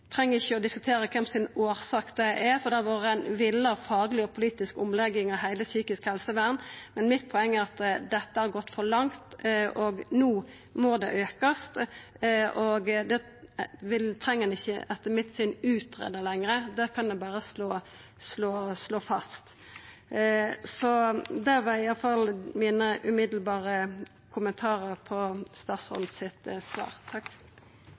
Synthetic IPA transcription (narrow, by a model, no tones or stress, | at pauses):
t̪ʰɾɛŋːəɪçːəɔd̪ɪskʉt̪ʰeːɾəkʰɛmsɪnoːɾsɑːkd̪ɛʔɛfɔd̪ɑʋoːɾəɛnʋɪlːəfɑːɡlɪɔpʰʊliːt̪ɪskʊmlɛɡːɪŋɑhæɪləsyːkɪskhɛlsəʋæːʁnmɛnmɪt̪̚pʰɔɛŋːæɾɑt̪d̪ɛt̪ːəhɑɾɡɔt̪ːfɔɾlɑŋt̪ʔɔɡnuː | mɔd̪ɛ̰ʔøːkəst̪ | ʔɔɡd̪ɛ | ʋɪlt̪ʰɾɛŋːəhɛnɪçːə̰ɑt̪ːəmɪt̪sɪnʉːt̪ɾḛːd̪əlɛŋɾəd̪ɛkʰɑnd̪ɛbɑːɾəsloː | sloːsloːfɑst̪ | sɔd̪ɛʋɛɪjɑlfɑlmiːnəʔʉmɪd̪l̩bɑːɾə | kʰʊmənt̪ʰɑːɾəɾpʰɔst̪ɑːt̪sɔ̰nsɪt̪sʋɑ̰ːɾt̪ʰɑkː